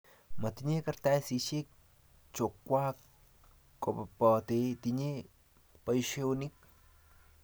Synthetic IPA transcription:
ma˨t̪iɲe˦ka˧ɾt̪a˦jsi˧t͡ʃe˦k̚ | t͡ʃo˨kːʷa˦k | kːo˨papa˨t̪et̪iɲe˦ | pajʃe˦wuni˦k̚

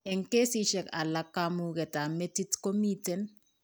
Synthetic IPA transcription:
e˨ŋke˦si˦ʃɛ˨ka˨la˦kːamukɛ˨ta˨me˦ti˦tko˦mitɛn

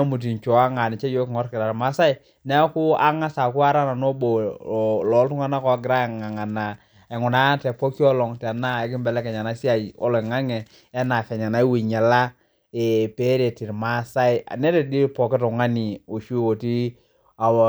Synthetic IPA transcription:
mu˨t̬i˨t͡ʃɔ˨a˦ŋa˨ni˨t͡ʃɛ˦jo˦kŋɔ˦ɾkɪ˨ɾa˨ɾma˦sa˦i˨ | nɛ˦ku˦a˦ŋa˦sa˨ku˦a˦ɾa˦na˨no˦bo˨lɔ˨˦ltu˦ŋa˦na˦kɔ˨˦ɡɪ˨ɾa˦ɛ˨ŋa˨ŋa˨na˨ | ɛ˨ŋu˨na˦tɛ˨pɔ˦ki˦ɔ˦lɔ˨ŋtɛ˨na˦ɛ˨kɪ˦mbɛ˨lɛ˦kɛ˨ɲa˨na˨˦si˦a˨jɔ̰˦lɔ˨i˨ŋa˦ŋɛ˨ | ɛ˦na˨fɛ˨ɲa˨na˨˦i˦wi˨ɲɛ˨la˦ | e˨pe˦ɾe˨ti˨ɾma˨˦sa˦i˦a̰˨nɛ˦tɛ˨di˦pɔ˨kɛ˦tɔ˨ŋa˦ni˨o˨ʃu˦o˨ti˦ | a˨

